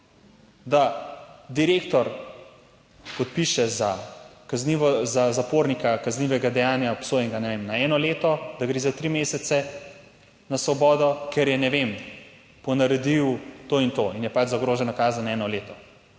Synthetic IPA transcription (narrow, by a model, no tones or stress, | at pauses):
d̪ad̪iɾeːkt̪ɔɾ | pɔt̪̚piʃɛzakazniʋɔzazapoːɾnikakazniʋɛɡad̪ɛjaːnjaɔpsoːjɛŋɡanɛʋemnaɛːnɔleːt̪ɔd̪aɡɾezat̪ɾimeːsɛt̪sɛ | nasʋɔbɔːd̪ɔkɛɾjɛnɛʋem | pɔnɐɾɛd̪iwt̪oːint̪oinjɛpad͡ʒzaɡɾoːʒɛnakaːzanɛːnɔleːt̪ɔ